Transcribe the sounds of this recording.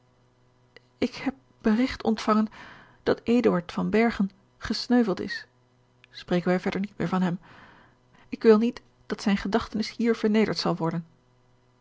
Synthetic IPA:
ɪkhɛp̚b̥ərɪχtɔ̰ntfɑŋən | d̥ɑtejdəɑɹtfɑnbɛɹχən | χəsnøɥvəlˠtɪ̰s | sprejkənʋɛjvɛɹdəɹnit̚mɪ̰ːɹvɑnɦɛm | ɪkʋɪlˠnit | d̥ɑtsɛjnχədɑχtənɪshiːɹv̥əɹnejdə̰ɹtsɑlˠʋɔɹdən

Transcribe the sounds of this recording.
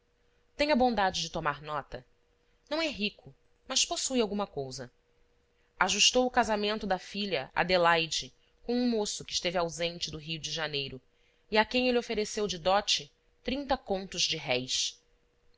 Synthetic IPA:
t̪ẽɲ̃ɐbõnd̪ad͡ʒɪd͡ʒɪt̪omaɾnɔt̪ɐ | nɐ̃w̃ɛɦikʰʊ | mɐsposujawɡũmɐkowzɐ | aʒuʃt̪owʊkazamẽnt̪ʊd̪ɐfiʎɐʔa̰d̪elajd͡ʒɪ | kõw̃ũmosʊkɪʃt̪evɪawzẽnt͡ʃɪd̪ʊɦijʊd͡ʒɪʒanejɾʊ | iakẽj̃eliofeɾesewd͡ʒɪd̪ɔt͡ʃɪ | t̪ɾĩnt̪ɐkõnt̪ʊzd͡ʒɪɦɛjs

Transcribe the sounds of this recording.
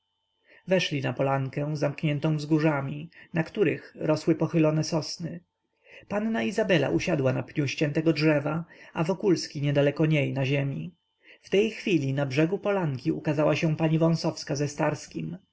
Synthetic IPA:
vɛʂlʲinapɔlaŋkɛ̃w̃zamkɲɛnt̪ɔ̃w̃vzɡuʐamʲinakt̪uɾɘxɾɔswɘpɔxɘlɔnɛsɔsnɘ | panːaizabɛla̰ʔuɕad̪wanapɲuɕt͡ɕɛnt̪ɛɡɔdʐɛvaavɔkulskʲiɲɛd̪alɛkɔɲejnaʑemʲi | ft̪ɛjxfʲilʲinabʐɛɡupɔlaŋkʲiukazawaɕɛ̃paɲivɔ̃w̃sɔfskazɛst̪aɾskʲim

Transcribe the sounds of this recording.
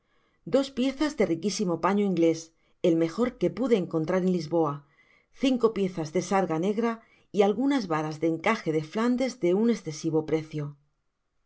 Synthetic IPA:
d̪o̞spje̞θazðe̞rikisimo̞paɲoiŋɡle̞s | e̞lme̞xo̞ɾke̞puðe̞ːŋko̞nt̪ɾaɾe̞nlizβo̞a | θiŋko̞pje̞θazðe̞saɾɣane̞ɣɾa | ialɣunazβaɾazðe̞ŋkaxe̞ðe̞fland̪e̞zd̪e̞une̞sθe̞siβo̞pɾe̞θjo̞

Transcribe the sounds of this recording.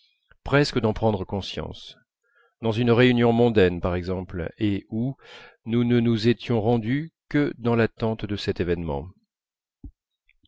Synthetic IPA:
pχɛskəd̪ɑ̃pχɑ̃d̪ʁəkɔ̃sjɑ̰̃s | d̪ɑ̃zynʁeynjɔ̃mɔ̃d̪ɛnpaʁɛɡzɑ̃pleununənuzet̪jɔ̃ʁɑ̃d̪ykəd̪ɑ̃lat̪ɑ̃t̪d̪əsɛt̪evɛnmɑ̰̃

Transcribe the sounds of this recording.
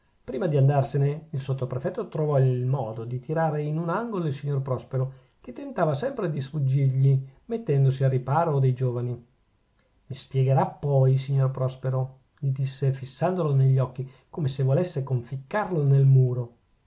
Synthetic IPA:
pɾiːmad̪iand̪arseneilsot̪ːopɾefɛt̪ːot̪ɾovɔilmɔːd̪od̪it̪iɾaːɾeinunaŋɡolilsiɲːorpɾɔspeɾo | ket̪ːent̪aːvasɛmpɾed̪isfud͡ʒːirʎimet̪ːɛnd̪osiarːipaːɾod̪ejd͡ʒoːvani | mispjɛɡeɾapːɔjs̬iɲːorpɾɔspeɾo | ʎid̪isːefisːand̪oloneʎːɔkːi | koːmesevolesːekoɱfikːarlonelmuːɾo

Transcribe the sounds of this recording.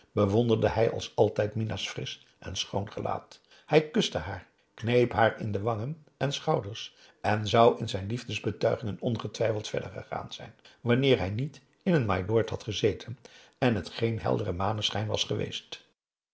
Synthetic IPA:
b̥əʋɔndəɹdəɦɛjɑ̰lˠsɑlˠtɛjtminasfrɪs | ʔɛ̰nsχownχəla̰ːt | hɛjkʏstəɦaːɹ | knejpɦaːɹɪ̰ndəʋɑŋən | ɛnsχɑwdəɹs | ʔɛnzɑwɪnzɛjnlivdəzbətœɥχɪŋənɔnχətʋɛjfəlˠtfɛ̰ɹdə̰ɹχə̰χa̰ːnz̥ɛ̰jnʋɑnɪːɹɦɛjnit | ɪnənmajlɔːɹthɑtχəzejtʰən | ɛnɦətχejnɦɛ̰lˠdərəmaːnəsχɛjnʋɑ̰sχəʋḛjst

